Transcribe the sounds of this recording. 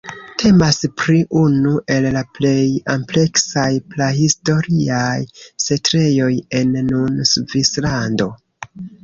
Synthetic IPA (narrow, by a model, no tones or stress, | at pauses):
tʰe̞maspɾiʔunuʔe̞llaple̞jample̞ksajplahisto̞ɾiajsetɾe̞jo̞je̞nːunsvislando̞